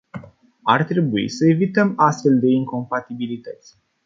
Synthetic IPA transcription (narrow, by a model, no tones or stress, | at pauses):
art̪ɾe̞buḭsəe̞vit̪əmast̪fe̞ld̪e̞iŋko̞mpat̪ibilit̪ət̪sʲ